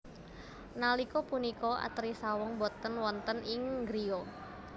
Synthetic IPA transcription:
nalikopunikɔa̰t̪ɾisawɔŋbɔt̪ːənwɔnt̪ənɪŋɡɾio

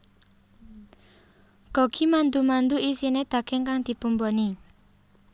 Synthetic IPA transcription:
ɡ̥ɔ̤ɡ̥i̤mand̪umand̪uisined̪̥a̤ɡ̥ɛ̤ŋkaŋd̪̥i̤pumbɔni

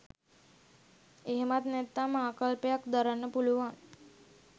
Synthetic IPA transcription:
eɦmat̪net̪amaakəlpjakd̪əɾanːəpuluʋan

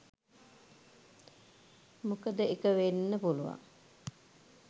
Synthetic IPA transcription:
mukəd̪əekəʋenːəpuluʋa̰ŋ

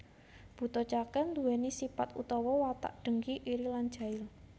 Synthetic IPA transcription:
b̥ṳt̪ɔt͡ʃakənd̪uɛnisipat̪ṵt̪ɔwɔwat̪a̰ʔɖ̥ə̤ŋkiʔiɾilan̥ʒ̥a̤ɪl

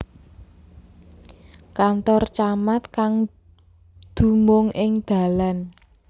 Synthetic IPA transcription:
kant̪ɔrt͡ʃamat̪kaŋ | d̪̥ṳmʊŋɪŋd̪̥a̤lan

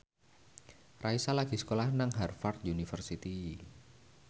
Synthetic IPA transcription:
raisalaɡ̥isə̥kolahnaŋɦarfart̪̚diunifərsit̪i

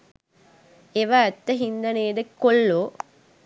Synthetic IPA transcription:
eʋaːt̪ːəɦind̪ɐneːdəkolːoː

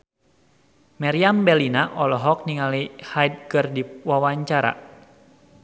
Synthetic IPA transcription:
maɾiambɛlinaʔɔlɔɦɔk̚niŋalihajd̚ɡɨrdiwawaɲt͡ʃaɾa̰

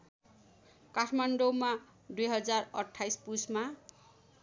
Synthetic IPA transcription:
kaʈʰmanɖoma | d̪ujɦʌd͡zarʌʈʰːajspusma

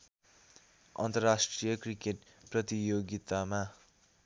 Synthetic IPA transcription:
ʌ̰nt̪ʌrasʈrijʌkrikeʈ̚prʌt̪ijoɡit̪ama

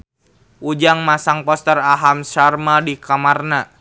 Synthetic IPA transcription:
ʔud͡ʒaŋmasaŋpɔst̪əraɦamʃarmadikamarna

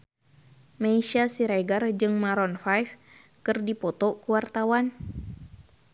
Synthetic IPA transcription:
maiʃasiɾaɡard͡ʒɨŋmaɾɔnfajf | kɨrdipɔt̪ɔkuwart̪awan

